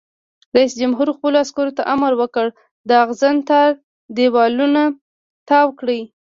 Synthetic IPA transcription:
ɾaisd͡ʒamɦuɾxpəloaskoɾot̪aʔamaɾwəkəɽ | d̪əaɣzant̪ɑɾ | d̪ewɑluna | t̪ɑwkɽij

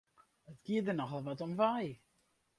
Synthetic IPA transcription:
ətkiədərnɔxɔlˠvɔtɔmvaj

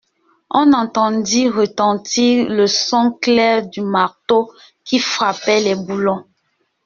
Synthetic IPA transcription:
ɔ̃nɑ̃tɑ̃diʁətɑ̃tiʁləsɔ̃klɛʁdymaʁto | kifʁapɛlɛbulɔ̃

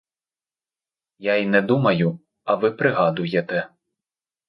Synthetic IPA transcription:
jainɛd̪umɐjʊ | ɐʋɪpɾɪɦɑd̪ʊjet̪ɛ

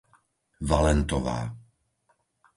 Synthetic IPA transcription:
valɛnt̪ɔʋa̰ː

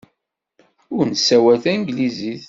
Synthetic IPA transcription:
ʊɾnsːæwæθænɡliziθ

